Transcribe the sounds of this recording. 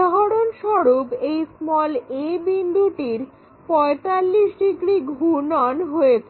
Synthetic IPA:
ɦaɾonʃɔɾupejsmɔlebind̪ʱuʈiɾ | pɔet̪alːiʃʈikɾiɡʱunɔnɦoet͡ɕʰe

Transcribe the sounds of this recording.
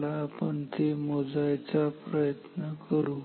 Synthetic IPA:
laːpəɳt̪emod͡zajt͡sapɾəjət̪nəkəɾuː

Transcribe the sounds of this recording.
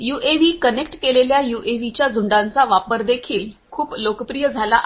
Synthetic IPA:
juʔeʋiːkənekʈkeleljajuʔeʋit͡ɕjad͡zʱuɳɖãnt͡saʋapəɾd̪ekʰiːlkʰuːplokəpɾijəd͡zʱalaʔ

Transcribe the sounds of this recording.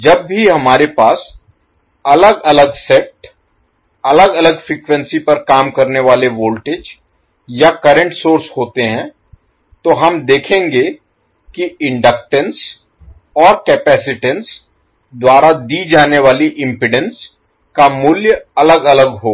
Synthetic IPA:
d͡ʒɐb̚ːʱiɦɐmaːɾepaːs | ɐləɡɐləɡsɛk̚ʈ | ɐləɡɐləɡfɾiːkʋə̃nsipɐɾkaːmkɐɾneʋaːleʋoːlʈeːd͡ʒ | jakɐɾə̃ɳʈsoːɾsɦoːt̪eɦɛ̃ː | t̪oɦɐmd̪eːkʰẽːŋɡe | kiɪ̃ɳɖək̚ʈə̃ns | ɔːɾkɛːpɛːsɪʈəns | d̪waːɾad̪id͡ʒaːneʋaːliʔɪ̃mpɪɖə̃ns | kamʊljɐləɡɐləɡɦoː

